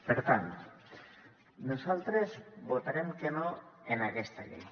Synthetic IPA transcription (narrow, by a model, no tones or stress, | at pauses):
peɾt̪ant̪o | nosalt̪ɾezbot̪aɾemkenoenakest̪aʎḛj